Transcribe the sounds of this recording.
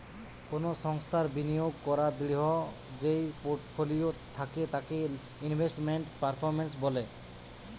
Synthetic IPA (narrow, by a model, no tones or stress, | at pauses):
konosɔŋst̪ʰaɾbinijoɡkɔɾad̪iɽiɦɔ | d͡ʒejpoɾʈpʰolijot̪ʰːaket̪ake | inbʱesʈmeɳʈpaɾpʰɔɾmens̬bɔle